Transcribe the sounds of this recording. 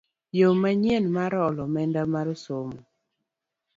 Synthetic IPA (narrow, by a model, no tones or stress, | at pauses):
jomaɲjenmaɾɔlɔmɛndamaɾosomo